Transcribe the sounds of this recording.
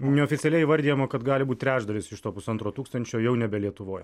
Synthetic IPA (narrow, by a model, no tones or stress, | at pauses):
nʲɛoːfʲɪtsʲɛlʲɛɪiʋɐɾʲd̪ʲijɛmoːkɐt̪ɡɑːlʲɪbuːt̪ʲt̪ʲɾʲæːʒd̪ɐlʲɪsɪʃt̪oːpʊsɐnt̪ɾoːt̪uːkst̪ɐnʲt͡ʃʲoːjɛʊnʲɛbʲɛlʲiɛt̪ʊʋoːj